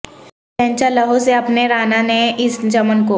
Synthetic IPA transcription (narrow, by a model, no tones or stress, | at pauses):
ɛ̃ːɲt͡ʃaləɦoseɐpneɾaːnaneɪsd͡ʒɐmənko